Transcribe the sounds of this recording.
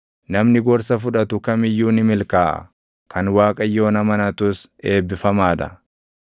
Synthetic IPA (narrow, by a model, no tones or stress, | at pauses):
nɐmnɪɡɔɾsɐfʊᶑɐt̪ʊkɐmɪjːuːnɪmɪlkaːʔɐ̰ | kʰɐnwaːkʼɐjːo̞ːnɐmɐnɐt̪ʊse̞ːbːɪfɐmaːd̪ɐ̰